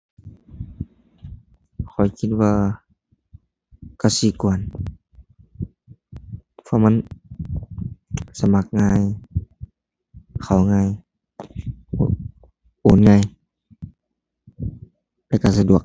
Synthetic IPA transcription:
kʰɔ˨˩jkʰi˧t̪̚waː˧ | ka˧˩wsiː˧˦kɔː˨˩n | pʰɔ˧˨ma˧˥n | sa˧ma˧˦k̚ŋaː˧˥˨j | kʰa˨˩wŋa˧˨j | ʔoː˨˦nŋa˧˨j | lɛ˧˩ka˧˩s̬a˧du˨˩ək̚

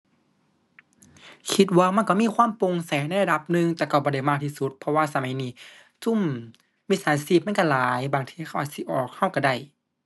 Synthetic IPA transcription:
kʰi˧˦t̪̚waː˧˨ma˧˥˨nka˧˩miː˧˥˨kʰwaː˧˥˨mpo˨ŋsa˨˦jna˧˨la˧da˨˧˦p̚nɯ˧ŋt̪ɛː˧˩ka˧˩bɔː˧˦da˧˩jmaː˧˩k̚t̪ʰiː˧su˧t̪̚pʰɔ˧waː˧˨sa˧ma˨˦jniː˧˩ | t͡ɕu˧˥˨mː | iː˧˥˨saː˨˦nsi˧˩p̚ma˧˥˨ka˧˩laː˨˦jbaː˨˩ŋt̪ʰiː˧kʰa˧˨˩ʔa˧˩si˧˦ʔɔː˨˩k̚ha˧˥˩wka˧˩da˧˩j

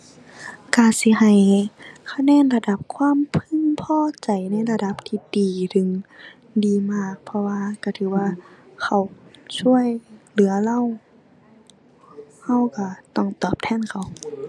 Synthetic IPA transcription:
ka˧˩si˧˦ɦa˨˩jkʰa˧nɛː˧˥˨nla˧da˧˩p̚kʰwaː˧˥˨mpʰɯ˧˨ŋpʰɔː˧˨t͡ɕa˨˩jna˧˥˨jla˧da˧˦p̚t̪ʰiː˧˦diː˨t̪ʰɯ˨˩ŋ | diː˨˩maː˧˩k̚pʰɔ˧waː˧ka˧˩t̪ʰɯː˨˦waː˧˨kʰa˧˩wt͡ɕʰu˧˥˨əjlɯ˨˦ɐla˧˨w | ha˧˩wka˧˩t̪ɔ˧˩ŋt̪ɔː˨˩p̚t̪ʰɛː˧˥˨nkʰa˨˩w

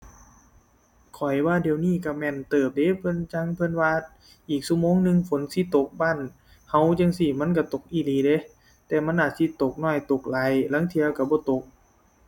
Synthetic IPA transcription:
kʰɔ˨˩jwaː˧˥˨di˨˧˨wniː˧˩˨ka˧˩mɛː˧˥˨nt̪ɤː˨˩p̚de˧˥˦pʰɤ˧˥˨nt͡ɕa˧˥ŋpʰɤ˧˥˨nwaː˧ | ʔiː˨˩k̚su˧˥˨moː˧˥˨ŋnɯ˧ŋfo˨˦nsi˧˦t̪o˨˩k̚baː˧˨n | ha˧˥˨wt͡ɕa˧˨ŋsi˧˩ma˧˥˨nka˧˩t̪o˨˩k̚ʔiː˧˨liː˨˦˨de˧˦ | t̪ɛː˧˩ma˧˥˨nʔaː˧˩t̪̚si˧˦t̪o˨˩k̚nɔː˧˩jt̪o˨˩k̚la˨˦jla˧˥˨ŋt̪ʰi˧ɐ˧ka˧˩bɔː˧˦t̪o˨˩k̚

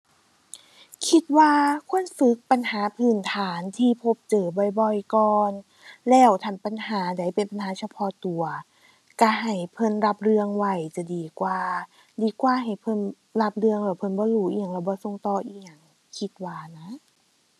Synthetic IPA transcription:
kʰi˧t̪̚waː˧kʰu˧˥˨ənfɯ˧˦k̚pa˨nhaː˨˦pʰɯː˨˩nt̪ʰaː˨˩˦nt̪ʰiː˧pʰo˧˦p̚t͡ɕɤː˨˩bɔ˧˩jbɔ˧jkɔː˧n | lɛː˧˩wt̪ʰa˧˩npa˨nhaː˩˦da˨˦jpe˨npa˨nɦaː˨˦sʰa˧pʰɔ˧˥t̪u˨˩ɐ | ka˧˩ɦa˨˩jpʰɤ˧˥˨nɾa˧p̚ɾɯ˧əŋwa˧˩jt͡ɕa˧˩diː˨˦kwaː˧ | diː˨˧kwaː˧˦ɦa˨˩jpʰɤ˧˥˨n | la˧˥p̚ɾɯ˧əŋlɛː˧˩wpʰɤ˧˥˨nbɔː˧˦ɾuː˧˩ʔiː˧˩˨ŋlɛː˧˩wbɔː˧˦so˧˨ŋt̪ɔː˧˩ʔi˧a˨˧˩ŋ | kʰi˧˦t̪̚waː˧na˧˦˥

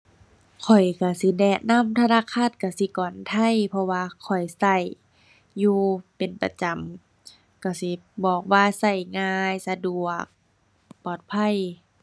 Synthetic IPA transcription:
kʰɔ˨˩jka˧˩si˧˦dɛː˧˩na˧˥˨mt̪ʰa˧naː˧˥˨kʰa˧˥˨t̪̚ka˧˩si˧˦kɔː˨˩nt̪ʰa˧˥˨jpʰɔ˧waː˧kʰɔ˨˩jsa˧˩˨jː | uː˧pe˨˩npa˧t͡ɕa˨˦m | ka˧˩si˧˦bɔː˨˩k̚waː˧sa˧˩jŋaː˧jsa˧du˨˩ək̚ | pɔː˨˩t̪̚pʰa˧˥˨j

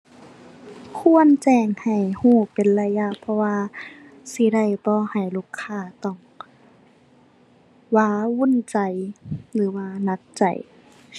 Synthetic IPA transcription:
kʰu˧˥ənt͡ɕɛː˧˩ŋha˨˩jhuː˧˩pe˨nla˧ja˧ʔpʰɔ˧waː˧ | si˧˦da˧˩jbɔː˧˦ha˨˩jlu˧˩˨kʰːaː˧˩t̪ɔ˧˩ŋ | waː˧˩wu˧˥˨nt͡ɕa˨jlɯː˨˦waː˧˩na˧˥k̚t͡ɕa̰˨˩j

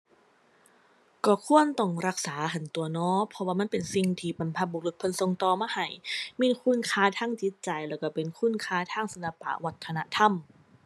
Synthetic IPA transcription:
kɔː˧˩kʰu˧˥˨ənt̪ɔ˧˩ŋɾa˧˥k̚saː˩˦ɦa˧˩nt̪u˨˩ɐnɔː˧˥pʰɔ˧waː˧ma˧˥˨npe˨nsi˧ŋt̪ʰiː˧˩pa˨˩npʰa˧˩buː˨˩k̚lɯ˧˩k̚pʰo˧˨nso˧ŋt̪ɔː˧maː˧˥˨ha˧˨˩jmiː˧˥˨nkʰuː˧˥˨nkʰaː˧˥t̪ʰaː˧˥˩ŋt͡ɕi˧˦˥t̪̚t͡ɕa˨˩jlɛː˧˩wka˧˩pe˨nkʰu˧˥˨nkʰaː˧˥t̪ʰaː˧˥˩ŋsa˨˧nla˧pa̰˧˩ʔwa˧t̪̚kʰːa˧na̰˧ʔt̪ʰa˧˩˨m

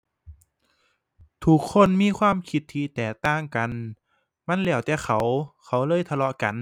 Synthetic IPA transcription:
t̪ʰu˧˦kʰːo˧˥˨nmiː˧˥˨kʰwaː˧˥˨mkʰi˧˦t̪ʰːiː˧t̪ɛː˨˩t̪aː˧˥˨ŋka˨n | ma˧˥˨nlɛː˧˩wt̪ɛː˧˩xʰa˧˦wkʰa˧˦wlɤː˧˥˨jt̪ʰa˧lɔ˧ʔka̰˨n

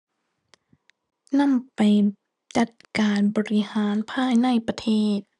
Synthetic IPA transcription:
na˥˨mpa˨˩j | t͡ɕa˨˧˦t̪̚kaː˨nbɔː˨ɾi˦˧haː˨˩˦npʰaː˧˥˨jna˥˩jpa˧t̪ʰeː˥˩t̪̚

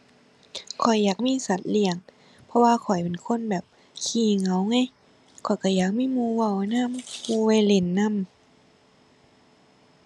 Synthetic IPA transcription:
kʰɔ˨˩jːaː˨˩k̚miː˧˥˨sa˨˦t̪̚li˧˩əŋ | pʰɔ˧waː˧kʰɔ˨˩jpe˨˩nkʰo˧˥˨nbɛː˨˩p̚ | kʰiː˧˩ŋa˨˦wŋa˧˥˨j | kʰɔ˨˩jka˧˩jaː˨˩k̚miː˧˥˨muː˧wa˧˩wna˧˥˨mmuː˧wa˧˩jle˧˩nːa˧˥˨m

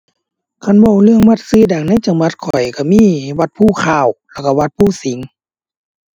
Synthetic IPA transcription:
kʰa˧˥˨nbɔ˧˩wlɯ˧˨əŋwa˧˩t̪̚sɯː˧˥˨da˨˩ŋna˧˥˨jt͡ɕa˨˧˦ŋwa˧t̪̚kʰɔ˨˩jka˧˩miː˧˥˨wa˧˦t̪̚pʰuː˧˩˨kʰaː˧˩wlɛ˧˩wka˧˩wa˧˦t̪̚pʰuː˧˩˨si˨˦ŋ

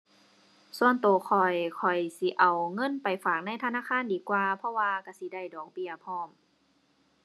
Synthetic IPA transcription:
su˧ənt̪oː˨˩kʰɔ˨˩jkʰɔ˨˩jsi˧˦ʔa˨˩wŋɤ˧˥˨npa˨˩jfaː˨˩k̚na˧˥˨jt̪ʰa˧naː˧˥˨kʰaː˧˥˨ndiː˨˦kwaː˧pʰɔ˧˨waː˧ka˧˩si˧˦da˧˩˨jdɔː˨˩k̚bi˧˩ɐpʰɔː˧˩˨m

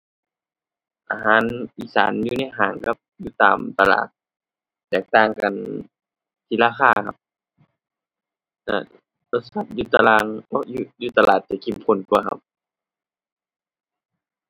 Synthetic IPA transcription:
ʔa˧ɦaː˨˦nʔiː˧˨sa̰ː˨˦njuː˧na˧˩jɦaː˨˦ŋka˧˦p̚juː˧˦t̪a̰ː˨mt̪a˧la̰ː˨˩t̪̚ː | ɛː˨˩k̚t̪aː˧˩ŋka˨n | t̪ʰi˧˨laː˧xʰaː˧˩kʰa˧p̚ | na̰˧˩ | lo˧t̪̚sa˧˦˩p̚juː˧t̪a˧laː˧ŋɔ˧juː˧juː˧˨t̪a˧laː˨˩t̪̚t͡ɕa˧˩kʰi˨˧˩mpʰo˧˨nku˧ɐkʰa̰˧p̚

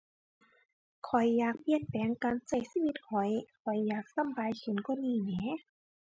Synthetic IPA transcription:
kʰɔ˨˩jːaː˨˩k̚pi˧˨ənpɛː˨˦ŋkaː˨nsa˧˩jsiː˧˥wi˧˦t̪̚kʰɔ˨˩jkʰɔ˨˩jːaː˨˩k̚sa˧˥˨mbaː˨˦jkʰɯ˨˦nkɔ˧˥˨niː˧˩nɛː˨˧˦

